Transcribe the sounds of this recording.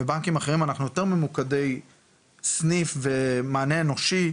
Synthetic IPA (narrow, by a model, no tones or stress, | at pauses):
ebaŋkimaχe̞ʁimanaχnujo̞t̪e̞ʁmemukade̞j | snifve̞maːneeno̞ʃi